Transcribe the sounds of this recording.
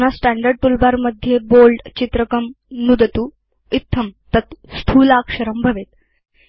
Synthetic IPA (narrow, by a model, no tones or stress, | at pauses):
nasʈæɳɖəɾɖ̚ʈulbaɾməd̪ʱjebolɖt͡ɕit̪ɾəkəmnud̪ət̪u | it̪ʰːəmt̪ət̪skʰuːlakʂəɾəmbʱəʋet̪